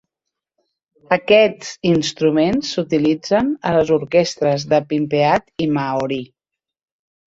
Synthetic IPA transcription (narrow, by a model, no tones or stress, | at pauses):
əkɛd͡zinst̪ɾumensːut̪ilid͡zənələzuɾkɛst̪ɾəzðəpimpeat̪imauɾi